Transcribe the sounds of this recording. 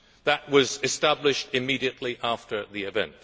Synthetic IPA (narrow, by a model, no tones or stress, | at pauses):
ðəʔ̚wʌzɨstæblɨʃtɨmiɾiɨʔˡliʔæftə˞ðiɨvɛ̰̃nt